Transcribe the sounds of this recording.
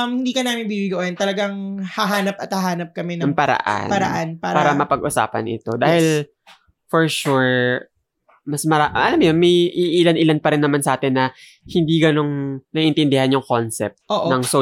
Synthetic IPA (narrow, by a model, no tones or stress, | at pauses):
mhɪnd̪iːkɐnaːmɪnbibiɡɐʔɛnt̪ɐlɐɡaŋhɐɦaːnɐp̚ɐt̪hɐɦaːnɐp̚kɐmɛnɐɐŋpɐɾɐ̰ʔa̰npɐɾɐ̰ʔanpaːpaːɾɐmɐpɐɡʔʊsa̰ːpɐ̰nʔɪ̰t̪o̞d̪aːhɪl | fɔɹʃuɹ | mɐsmɐɾaʔɐlamjonmɐjʔɪʔɪlanʔɪlanpɐɾɪnːɐmansɐʔaːt̪ɪnːɐ | hɪnd̪iːɡɐno̞ŋnɐʔɪnt̪ɪnd̪ɪhanjʊŋkonsɛ̰p̚t̪̚ʔoːʔnɐŋso